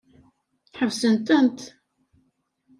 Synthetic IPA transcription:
ħəvsənt̪ənt̪

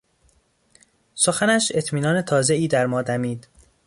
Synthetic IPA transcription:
so̞xænæʃe̞t̪ʰmiːnɒːne̞t̪ʰɒːzeiːd̪æɾmɒːd̪æmiːd̪̥

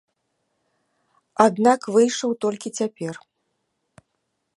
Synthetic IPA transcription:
ad̪nakvɨjʂɐwt̪ɔlʲkʲit͡sʲapʲɛr

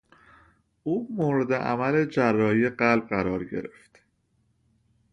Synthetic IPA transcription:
ʔuːmoːɾed̪e̞ʔæ̰mæled͡ʒærːɒːijeɢælb̚ɢæɾɒːɾɟe̞̰ɾe̞ft̪

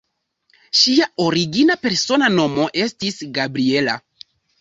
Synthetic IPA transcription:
ʃiao̞ɾiɡinape̞ɾso̞nano̞mo̞ʔe̞stisɡabɾiela̰

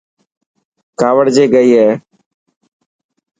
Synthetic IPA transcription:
kaːʋəɽd͡ʒeːɡəiːɦɛː

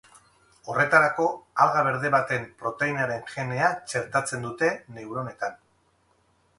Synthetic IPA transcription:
o̞re̞t̪aɾako̞alɣaβe̞ɾðe̞βat̪e̞mpɾo̞t̪e̞inaɾe̞nʝe̞ne̞at͡ʃe̞ɾt̪at͡se̞nd̪ut̪e̞ne̞uɾo̞ne̞t̪an

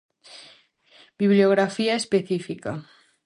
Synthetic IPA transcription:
biβlioɣ̞ɾafiaespeθifika

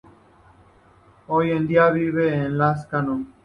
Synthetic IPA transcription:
ojend̪iaβiβeːnlas̬kano

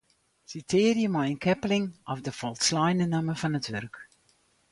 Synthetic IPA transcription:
sitʰɪːrjəmɔjənkʰɛplɪŋɔfdəfɔlˠtslajnənaməfɑnətʋørk

